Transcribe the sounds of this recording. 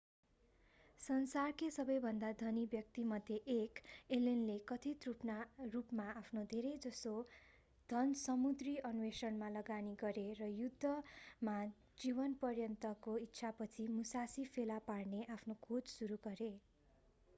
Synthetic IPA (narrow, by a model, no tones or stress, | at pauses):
sʌnsarkesʌbʌjbʱʌnd̪ad̪ʱʌnibjʌk̚t̪imʌd̪ʱːjeʔekelenlekʌt̪ʰit̪rupnarupmaapʰnod̪ʱeɾʌjd͡zʌso | d̪ʱʌnsʌmud̪riʌnuwesʌnmalʌɡaniɡʌɾerʌjud̪ʱːʌma | d͡ziβʌnpʌrjʌnt̪ʌkoit̪ːsʰapʌt͡sʰimusasipʰelaparneʔapʰnokʰod͡zsuɾuɡʌɾe